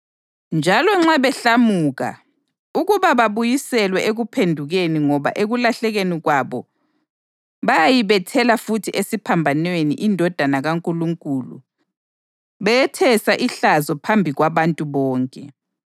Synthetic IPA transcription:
nd͡ʒʱalɔŋ͡ǁaβɛɬamuːɣa̰ | uɣuβaβaβujisɛlwɛʔeɣupʰendʱuɣeniŋɔβa̰ʔeɣulaɬɛɣeniɣwaβɔ | βajajiβɛtʰɛlafutʰiesipʰambʱanwenḭʔindʱɔd̥ʱanaɣaŋkʼuluŋkʼuːlṵ | βɛjɛtʰɛsaʔiɬazɔpʰambʱiɣwaβantʼuβɔːŋkʼɛ

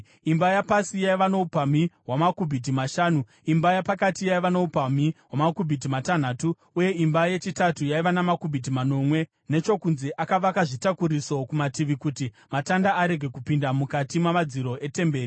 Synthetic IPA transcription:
imbajapasijaiʋanoupamiɦwamakubʱit̬imaʃaːnu | imbajapakatijaiʋanoupamiɦwamakubʱit̬imatan̤aːtuːje̞imbaje̞t͡ʃitatujaiʋanamakubʱit̬imano̞mwe̞ | ne̞t͡ʃo̞kunzeʔakaʋakaʐitakuɾiso̞kumatiʋikuti | matandaaɾe̞ɡʱe̞kupindamukatimwamad͡ziɾo̞ʔe̞te̞mbe̞ːri

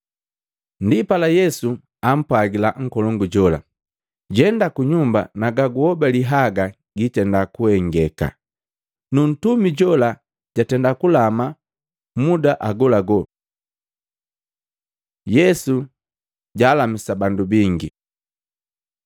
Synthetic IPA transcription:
ndipalajɛsu | am̩pwaɡilaŋ̩kɔlɔŋɡuɟɔla̰ | ɟɛndakuɲumba̰naɡaɡuhɔbaliɦaɡa | ɡitɛndakuɛŋɡɛka̰ | nun̩tumiɟɔla | ɟ̥atɛndakulama | mudaʔaɡɔlaɡɔ | jɛsu | ɟaːlamisabandubiŋɡi

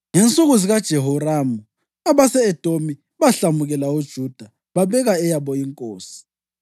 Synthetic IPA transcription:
ŋɛnt͡sʼuɣuziɣad̥ʒ̥ʱɛɦɔraːmu | aβasɛɛd̥ʱomi | βaɬamuɣɛlaud̥ʒ̥ʱud̥ʱa | βaβɛɣaɛjaβɔiŋkʼoːsi̥

